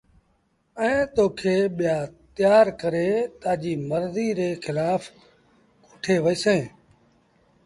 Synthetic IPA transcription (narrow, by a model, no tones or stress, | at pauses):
ɛ̃ːt̪oːkʰeːɓɪjaːt̪ɪjaːɾkəɾeːt̪aːd͡ʒiːməɾziːɾeːxɪlaːf | kʊʈʰeːʋəiːsẽː